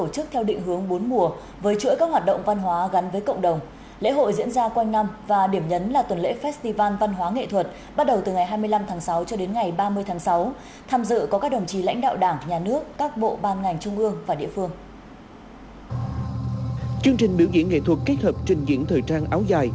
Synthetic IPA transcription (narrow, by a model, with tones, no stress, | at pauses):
t̪o˧˩t͡ɕɨ˦˥k̚t̪ʰɛ˧wɗḭ̈˧˨ŋ̟ɦɨ˨˦əŋɓo˨˦nmu˧˩ə | vəː˨˦jt͡ɕṵ˧˥jkaː˦˥k̚waː˨˩t̚ɗə̰˧˨wŋ͡mva˧nɦwaː˨˦ɣa˨˦nvəː˨˦jkə̰˧˨ŋ͡mɗə˨˩wŋ͡m | lḛ˧˥ɦo̰˧˨jzḭ˧˥ənzaː˧kwa˧jŋna˧mvaː˨˩ɗi˧˩əmɲə˨˦nlaː˨˩t̪wə˨˩nlḛ˧˥fɛː˦˥st̪i˧vaː˧nva˧nɦwaː˨˦ŋḛ˧˨t̪ʰwə˨˩t̚ | ɓa˦˥t̚ɗə˨˩wt̪ɨ˨˩ŋa˨˩jɦaː˧jmɨ˧əjla˧mt̪ʰaː˨˦ŋsa˨˦wt͡ɕɔ˧ɗe˨˦nŋa˨˩jɓaː˧mɨ˧əjt̪ʰaː˨˦ŋsa˨˦w | t̪ʰaː˧mzɨ̰˧˨kɔ˨˦kaː˦˥k̚ɗə˨˩wŋ͡mt͡ɕi˨˩la̰˧˥jŋ̟ɗa̰ː˧˨wɗaː˧˩ŋɲaː˨˩nɨ˦˥əkːaː˦˥k̚ɓo̰˧˨ɓaː˧nŋa˨˩jŋ̟t͡ɕʊ˧ŋ͡mʔɨ˧əŋvaː˨˩ɗḭ˧˨əfɨ˧əŋ | t͡ɕɨ˧əŋt͡ɕï˨˩ŋ̟ɓi˧˩əwzḭ˧əŋḛ˧˨t̪ʰwə˨˩t̚kːe˦˥t̚həː˨˩p̚t͡ɕï˨˧ŋzḭ˧˥ŋt̪ʰəː˨˩jt͡ɕaː˧nʔaː˨˦wzaː˨˩j